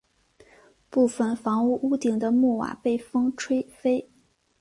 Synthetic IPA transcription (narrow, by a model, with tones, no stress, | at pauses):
pu˥˩fə˨˩nfɑ˧˥ŋu˥˧ʔu˥t̪i˨˩ŋd̪ə˦mu˥˩wa̰˨˩pe˥˩ɪfɤ˥ŋʈ͡ʂʰwe˥ɪfe˥ɪ